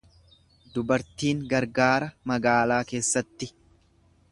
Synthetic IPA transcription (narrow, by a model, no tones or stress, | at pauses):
d̪ʊbɐɾt̪iːŋɡɐɾɡaːɾɐmɐɡaːlaːke̞ːsːɐt̪ːɪ